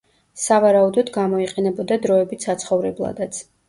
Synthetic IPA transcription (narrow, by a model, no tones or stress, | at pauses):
savaɾaud̪ɔd̪ɡamɔiqʼɛnɛbɔd̪ad̪ɾɔɛbit̪sat̪sχɔvɾɛblˠa̰d̪at̪sʰ